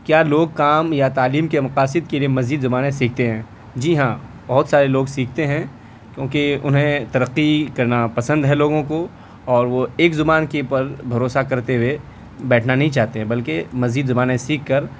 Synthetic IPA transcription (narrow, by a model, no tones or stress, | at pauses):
kjaːloːɡ̚kaːmjat̪aːliːmkemɐqaːsɪd̪keliemɐziːd̪zʊbaːnẽsiːk̚ʰt̪eɦɛ̃ː | d͡ʒiːɦãː | bɐɦʊt̪saːɾeloːɡsiːkʰt̪eɦɛ̃ː | kjõːkiʊ̰nɦẽt̪ɐɾəqːikɐɾnapɐsə̃nd̪ɦɛloːɡõko | ɔːɾʋoeːkzʊbaːnkepɐɾbʱɐɾoːsakɐɾt̪eʊe | bɛːʈʰnanɐɦĩt͡ʃaːɦt̪eɦɛ̃bɐlkemɐziːd̪zɐbaːnẽsiːkʰːɐɾ